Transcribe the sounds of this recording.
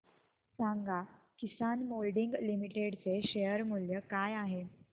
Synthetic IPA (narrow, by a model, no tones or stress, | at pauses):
saŋɡa | kisanmolɖiŋɡlimiʈeɽt͡seɕejəɾmuljəkajaɦe